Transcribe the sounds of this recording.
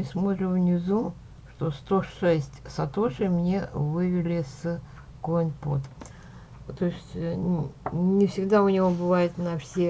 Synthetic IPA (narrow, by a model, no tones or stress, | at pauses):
ɨsmot̪ɾʲɪvnʲɪzu | ʂt̪o̞st̪oʂɛsʲtʲsɐt̪oʂɨjmnʲe̞vɨvʲɪlʲɪs | konʲpo̰t̪ | t̪oɪsʲtʲ | nʲɪfsʲɪɡd̪aʊnʲɪvo̞bɨvajɪt̪nɐfsʲe